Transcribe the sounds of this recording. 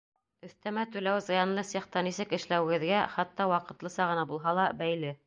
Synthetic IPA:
ɵ̆θt̪æmæt̪ʉlæwzɤ̆jɑnlˠɤsiχt̪ɑnisɘkɘ̆ʃlæwɘ̆ɡɘ̆ðɡæχæt̪ːɑwɑqɤ̆t̪lˠɤsɑʁɤ̆nɑbulˠɦɑlˠɑbæjlɘ

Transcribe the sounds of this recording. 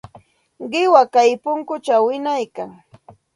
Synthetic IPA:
ɢɪwakajpʊŋkʊt͡ʃawɪnajkaŋ

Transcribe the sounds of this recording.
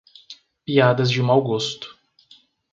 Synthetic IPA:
piad̪ɐzd͡ʒɪũmawɡost̪ʊ̥

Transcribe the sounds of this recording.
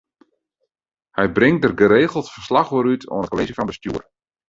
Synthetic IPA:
hɛjbrɪŋ̚dərɡəɾeːɣəl̩ˠtfərslaxoɾytʰo̰nətkoleːzifɑnbəstjṵər

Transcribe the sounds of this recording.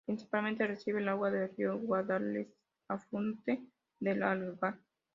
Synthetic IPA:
pɾinsi̥palmẽnt̪eresiβ̞elaɣwaðerjoɣwaðales | afunt̪e | ðelaluɣa

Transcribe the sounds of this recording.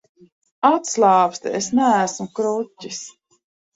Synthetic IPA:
at̪slaːpst̪ɛesnææsmukɾucːis

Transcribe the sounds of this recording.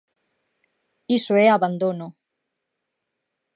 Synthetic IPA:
isoeaβand̪ono

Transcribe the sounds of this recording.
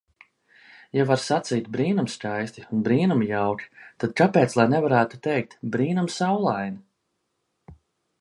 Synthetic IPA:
javaɾsat̪siːt̪̚bɾiːnumskajst̪iunbɾiːnumjawkʲt̪ad̪̥̚kapɛːt̪slˠajnɛvaɾæːt̪u̥t̪ɛjk̚t̪bɾiːnumsawlˠajni

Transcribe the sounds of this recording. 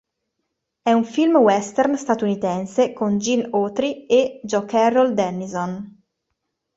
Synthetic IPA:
ɛuɱfilmwɛst̪ɛrnst̪at̪unit̪ɛnsekond͡ʒinot̪ɾied͡ʒɔkɛrːɔld̪ɛnːizon

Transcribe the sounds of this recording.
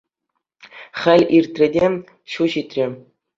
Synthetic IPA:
χʲɘ̆lʲirʲt̪ʲrʲɘ̆dʲe | ɕuʑit̪ʲrʲĕ

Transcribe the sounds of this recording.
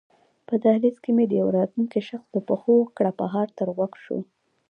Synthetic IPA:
pəd̪ahlizkemed̪əjawɾɑt̪lunkiʃaxsd̪əpəxokɽapaɦɑɾt̪əɾɣwakʃo̰

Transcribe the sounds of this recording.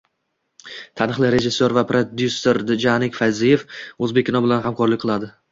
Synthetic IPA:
t̪ʰanɨχlˠɪɾe̞d͡ʒɪsːoɾvapɾod̪jusːoɾd̪ɪd͡ʒanɪkʲfajzijefɵzbek̚ʲːʰɪnɒbɪlanɦamkʰɒɾlɪkʲqʰɨlˠad̪ɪ

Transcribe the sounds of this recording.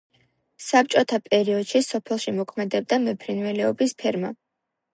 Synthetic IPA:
sap̚t͡ʃʼɔt̪ʰapʼɛɾiɔd̪̥ʃisɔpʰɛlˠʃimɔkʰmɛd̪ɛb̚d̪amɛpʰɾinvɛlɛɔbispʰɛɾma̰

